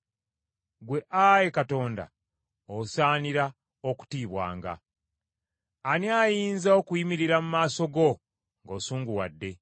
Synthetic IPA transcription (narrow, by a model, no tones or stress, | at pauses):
ɡwe̞ʔaje̞kato̞ːnda̰ | osaːniɾa | o̞ku̥tiːβwa̰ːŋɡa̰ | anjaːjiːnzao̞kujimiɾiɾamumaːso̞ɡo̞ | ŋɡo̞ːsuːŋɡuwa̰dːe̞